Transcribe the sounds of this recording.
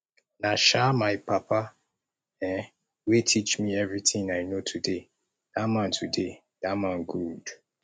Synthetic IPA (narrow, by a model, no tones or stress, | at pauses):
naʃamaɪpapʰa | ɛ̃ | wetʰit͡ʃmiɛvɹitɪ̃ŋaɪnotʰude | d̥amãntʰude | d̥amãnɡud̥